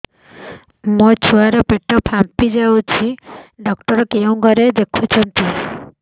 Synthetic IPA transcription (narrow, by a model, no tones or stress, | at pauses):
mɔt͡ʃʰuaɾɔpeʈɔpʰampid͡ʒawt͡ʃʰiɖɔkʈɔɾɔkeũɡʱɔɾed̪ekʰut͡ʃʰɔnt̪i